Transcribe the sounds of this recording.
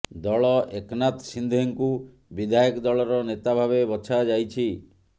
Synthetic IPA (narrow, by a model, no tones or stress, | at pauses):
d̪ɔɭɔʔeknat̪sind̪ʱeŋku | bid̪ʱajɔkd̪ɔɭɔɾɔnet̪abʱaβebɔt͡ʃʰad͡ʒajt͡ʃʰi